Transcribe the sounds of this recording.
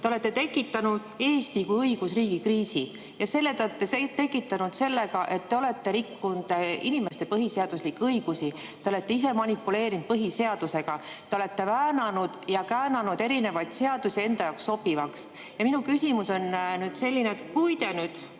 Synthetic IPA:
t̪eo̞le̞t̪ːe̞t̪e̞kːˑit̪ːˑɑnud̪̥e̞ːst̪ikujɤiɡ̥usriːɡikriːsi | jɑse̞lːet̪eolet̪ːˑeset̪e̞kːˑit̪ːˑɑnud̪̥se̞lːe̞ɡɑʔe̞t̪ːe̞o̞le̞t̪ːe̞ɾikːund̪̥inime̞st̪e̞pɤɦiseɑd̪̥uslikːɤiɡ̥usit̪ːeole̞t̪ːe̞is̬e̞mɑnʲipːˑule̞ːɾind̪̥̚pɤɦise̞ɑd̪̥use̞ɡ̥ɑ | t̪ːeo̞le̞t̪ːe̞væːnɑnud̪̥jɑkæːnɑnud̪̥e̞ɾine̞vɑjd̪̥se̞ɑd̪̥usie̞nd̪̥ɑjɑwkso̞bivɑks | jɑminukysimuso̞nnyːd̪̥se̞lʲːineet̪kujt̪e̞nyːd̪̥

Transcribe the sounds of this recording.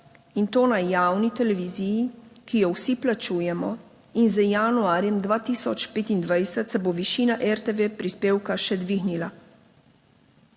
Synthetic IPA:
int̪oːnajjaːwnit̪ɛlɛʋiːzijikijɔwsiplat͡ʃuːjɛmɔ | inzəjanuaːɾjɛmd̪ʋaːt̪iːsɔt͡ʃpeːt̪ind̪ʋajsət̪sɛboʋiʃiːnaʔɛɾt̪eʋepɾispeːwkaʃɛd̪ʋiːɣnila

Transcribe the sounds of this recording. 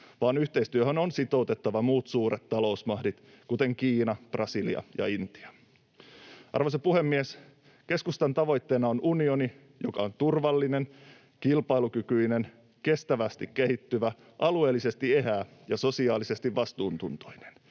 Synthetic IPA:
ʋɑːnyçt̪e̞ist̪yøɦønonsit̪o̞ut̪et̪ːɑʋɑmuːt̪suːɾet̪ːɑlo̞usmɑhdit̪ | kut̪e̞ŋkiːnɑprʔɑsiliɑ̰jɑ̰int̪i̥ɑ̥ | ɑ̰rʋosepuhe̞mːies | ke̞skust̪ɑnt̪ɑʋo̞jt̪ːe̞ːnɑonunio̞ni | jokɑ̰o̞nt̪urʋɑlːine̞n | kilpɑjlukykyjne̞n | ke̞st̪æʋæst̪ikke̞ɦit̪ːyʋæ | ʔɑlue̞ːlːise̞st̪ie̞ɦæːjɑso̞siɑːlise̞st̪iʋʋɑst̪uːnt̪unt̪o̥jne̥n

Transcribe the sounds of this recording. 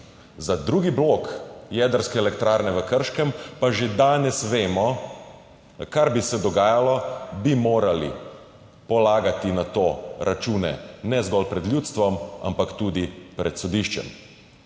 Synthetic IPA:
zad̪ɾuːɡibloːkjɛːd̪əɾskɛɛlɛkt̪ɾaːɾnɛʋəkəɾʃkɛmpaʒed̪aːnɛsʋeːmɔ | kaɾbisɛd̪ɔɡaːjalɔbimoːɾalḭ | pɔlaːɡat̪inat̪oːɾʔat͡ʃuːnɛ̰nɛzɡɔlpɾɛd̪ljuːt̪st̪ʋɔma̰mpakt̪uːd̪ipɾɛt̪sɔd̪iʃt͡ʃɛ̰m

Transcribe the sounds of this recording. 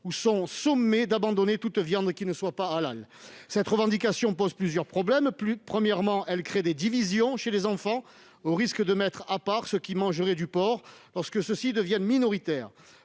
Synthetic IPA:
usɔ̃sɔmːed̪abɑ̃d̪ɔnet̪ut̪vjɑ̃d̪kʲinəswapaːla̰l | sɛt̪ʁəvɑ̃d̪ikasjɔ̃pɔzplyzjœʁpχɔblɛmpypχəmjɛʁmɑ̃ʔɛlkχed̪ed̪ivizjɔ̃ʃelezɑ̃fɑ̃ | oʁiskəd̪əmɛt̪χapaʁsəkʲimɑ̃ʒəʁɛd̪ypɔʁlɔʁskəsəsid̪əvjɛnminɔʁit̪ɛːʁ

